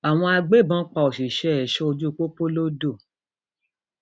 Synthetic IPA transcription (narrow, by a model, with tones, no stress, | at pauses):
a˨w̃ɔ̃˧a˧ɡ͡be˦˨bã˨˦k͡pa˨o˨ʃi˨ʃɛ˦˨ʃɔ˦o˧d͡ʒu˦˨k͡po˦po˦lo˦do˦˨